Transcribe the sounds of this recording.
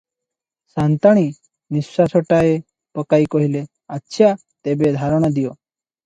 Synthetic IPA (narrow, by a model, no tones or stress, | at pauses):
sant̪aɽ̃i | nisːasoʈae | pəkaikɔɦile | atːɕʰja | t̪ebed̪ʱaɾɳ̃əd̪ijo